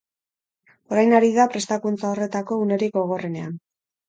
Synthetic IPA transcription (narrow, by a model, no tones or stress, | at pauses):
o̞ɾajnaɾiðapɾe̞st̪akunt͡sao̞re̞t̪ako̞une̞ɾiɡɡo̞ɣ̞o̞re̞ne̞an